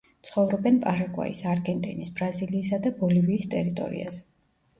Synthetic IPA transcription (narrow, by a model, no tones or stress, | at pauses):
t̪sʰχɔvɾɔbɛnpʼaɾaɡʼwa̰ḭsaɾɡɛnt̪ʼḭnisbɾaziliːsad̪abɔliviːst̪ʼɛɾit̪ʼɔ̰ɾḭa̰zɛ